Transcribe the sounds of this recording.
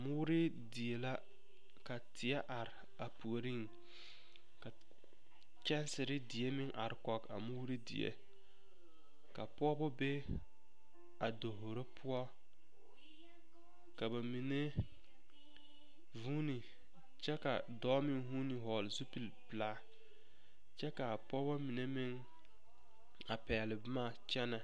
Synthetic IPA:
a˨mu˦ɾɪ˦ | di˨e˨la˦ | ka˨tʰɪ˨ɛ˦ʔa˨ɾɪ˨ | a˨pu˨o˨ɾi˦˨ŋ˨ | ka˨ | t͡ʃɛ˦nsɪ˨ɾɪ˦dɪ˨e˦mɪ˦ŋʔa̰˨ɾɪ˦kɔ˨ka̰˨mu˦ɾi˦dḭ˨ḛ˦ | ka˨pʊ˦ɔ˦bɔ˦be˦ | a˨do˨ɦo˨ɾe˦pʰʊ˦ɔ˦ | ka˨ba˨mi˨ne˦ | vuː˦ni˨ | t͡ʃɛ˦ka˨dɔː˦mɪ˦ŋɦu˦ni˨ɦɔ˨lzu˦pi˨lplaː˦ | t͡ʃɛ˦ka˨pɔ˦bɔ˦mi˨ne˦mɪ˦ŋ | a˨pɛ˨lɪ˨bmaː˦˨t͡ʃɛ˦na˨

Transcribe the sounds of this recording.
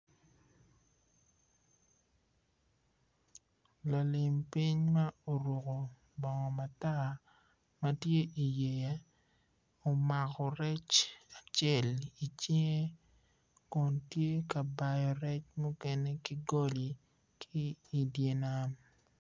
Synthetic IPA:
la˨lɪ˨mpi˦ɲma˦o˨ɾo˨ko˨ | bɔ˨ŋɔ˨ma˨ta˦˨ | ma˦tje˦ʔi˨je˨ja˦ | o˨ma˨kɔ˨ɾɛ˦t͡ʃa˨t͡ʃɛ˦˨li˨t͡ʃɪ˦ŋe˦ | kʊ˨ntje˦ka˨ba˨jɔ˨ɾɛ˦t͡ʃmu˦kɛ˦ne˦ki˦ɡo˦li˨ | kʰiː˦˨dje˨na˦m

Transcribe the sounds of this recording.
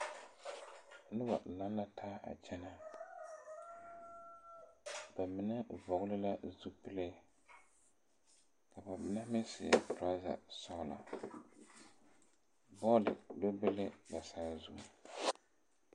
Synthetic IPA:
nɨ˦ba̰˨la˦n˦la˦tʰaː˦a̰˨t͡ʃɛ˦na˨ | ba˨mɪ˨nɨ˦vɔ˨ɣʊ˦lɨ˦la˦zu˦pɨ˦le˦ | ka˨ba˨mɪ˨na˦mɪ˦sɪ˨ɛ̰˨tɾa˦za̰˨sɔ˦ɣʊ˨la̰˨ | bɔ˦lɪ̰˨do˦bɨ˦lɪ˦ba˨saː˦zu˦˨

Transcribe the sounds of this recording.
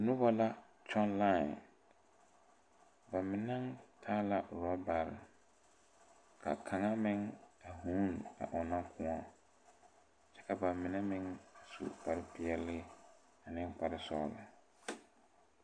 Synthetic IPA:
nʊ˦bɔ˦la˦ | t͡ʃɔ˦nla̰˦˨n | ba˨mɪ˨na˦ŋtʰaː˦la˨ɾɔ˦ba˨ɾ | kʰa̰˨kʰa˨ŋa˦mɪ˦ŋa˨huː˦na̰˨ʔʊ˨na˦kʰʊ˨˦ɔ˦ | t͡ʃɛ̥˦ka˨ba˨mːɪ˨nɛ˦mɪ˦ŋa˨sṵ˨pa˨ɾɪ˦pʰɪ˨ɛ˦lɪ˦ | a˨nɪ̃˦ŋpa˨ɾɪ˦sɔ̰ː˦˨lɪ̰˨

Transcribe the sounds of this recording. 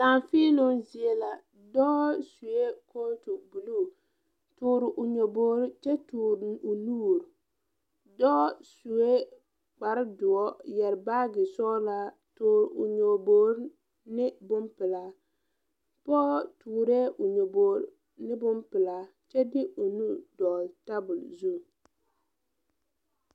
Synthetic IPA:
laː˨ɱfi˦nʊ˦zi˨e˦la˨ | dɔ˦su˨e˦kʰo˦tu˨bu˨lu˦˨ | tuː˨ɾɪ˨ʔʊ˨ɲo˨boː˦ɾɪ˦t͡ʃɛ˦tuː˨ɾʊ˨nuː˦˨ɾ | dɔ˦su˨e˦ | k͡pa˨ɾɪ˦dʊ˨ɔ˦jɛ˨ɾbaː˦ɡɪ˨sɔ˦la˦ | tuː˨ɾʊ̰˨ɲo˨boː˦ɾ | nɪ˦bʊ˦mpɪ˨la˦ | pɔː˦tuː˨ɾe˦ʔʊ˨ɲo˨boː˨ɾ | nɪ˦bʊ˦mpɪ˨la˨ | t͡ʃɛ˦dɪ˦ʔʊ˨nu˦dɔ˨ta˦bʊ˨lzu˦˨

